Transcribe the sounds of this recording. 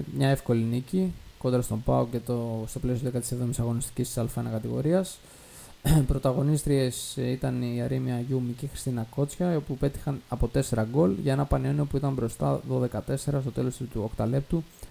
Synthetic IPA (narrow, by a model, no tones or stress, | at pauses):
mɲɐe̞fko̞liniciko̞nd̪ɾɐst̪o̞bɐoce̞t̪ost̪o̞plesiot̪ðekɐt̪i̥sevðo̞misɐɣo̞nist̪i̥cist̪i̥sɐlfɐnɐkɐt̪iɣo̞ɾiɐs | pɾo̞t̪ɐɣo̞nist̪ɾie̞sit̪ɐniɐɾimiɐʝumicixɾi̥st̪inɐko̞t͡sçɐiopupe̞t̪i̥xɐnɐpo̞t̪e̞se̞ɾɐɡo̞lʝɐenɐpɐnioniopuit̪ɐmbɾo̞st̪ɐðo̞ðe̞kɐt̪e̞se̞ɾɐst̪o̞t̪e̞lo̞st̪t̪uokt̪ɐle̞p̚t̪u